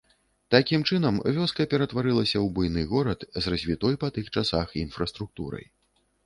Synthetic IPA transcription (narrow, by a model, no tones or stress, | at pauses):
t̪akʲimt͡ʂɨn̪ɐmvʲɔskɐpʲɛɾɐt̪vaɾɨlˠɐsʲɐwbujnɨɣɔɾɐt̪zrɐzʲvʲit̪ɔjpɐt̪ɨxt͡ʂasaxinfɾɐst̪ɾuk̚t̪ṵɾɐ̰j